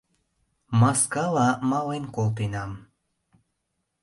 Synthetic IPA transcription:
mɑskɑlɑmɑlenkolt̪̬enɑm

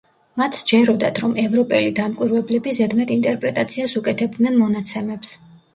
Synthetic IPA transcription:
mat̪ʰsd͡ʒɛɾɔd̪at̪ʰɾɔmɛvɾɔpʼɛlid̪amkʼwiɾvɛblɛbizɛd̪mɛt̪int̪ʼɛɾpʼɾɛt̪ʼat̪sʰiasukʼɛt̪ʰɛbd̪nɛnmɔnat̪sʰɛmɛps

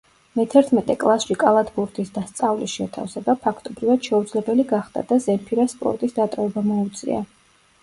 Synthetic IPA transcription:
mɛt̪ʰɛɾt̪ʰmɛt̪ʼɛkʼlˠasʃikʼalˠat̪ʰbuɾt̪ʰisd̪ast̪sʼavlisʃɛt̪ʰa̰fsɛbapʰakʰt̪ʼɔbɾivad̪̥ʃɛud̪zlɛbɛliɡaχd̪a̰d̪azɛmpʰiɾaspʼɔ̰ɾt̪ʼisd̪at̪ʼɔvɛbamɔut̪sʼḭa̰

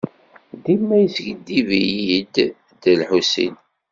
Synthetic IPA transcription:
d̪imːæjəsɡəd̪ːivijid̪ | d̪əlħusḭn

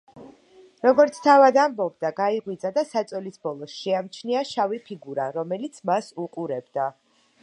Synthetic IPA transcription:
ɾɔɡɔɾt̪sʰt̪ʰavad̪ambɔbd̪aɡaiʁwid̪zad̪asat̪sʼɔlisbɔlˠɔsʃɛamt͡ʃʰniaʃavipʰiɡuɾaɾɔmɛlit̪sʰmasuqʼuɾɛbd̪a

